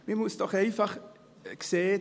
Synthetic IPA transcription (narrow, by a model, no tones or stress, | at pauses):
mimustɔχejfaχ | kseː